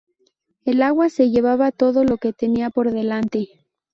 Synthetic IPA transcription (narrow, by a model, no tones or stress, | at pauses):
e̞laɣwase̞ʝe̞βaβat̪o̞ðo̞lo̞ke̞t̪e̞niapo̞ɾðe̞lant̪e̞